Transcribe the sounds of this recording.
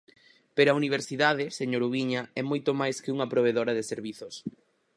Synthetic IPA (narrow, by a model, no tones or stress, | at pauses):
peɾoɐuniβ̞eɾsiðaðɪseɲoɾuβiɲɐɛmojt̪omajskɪuŋɐpɾoβ̞eðoɾɐðɪseɾβiθos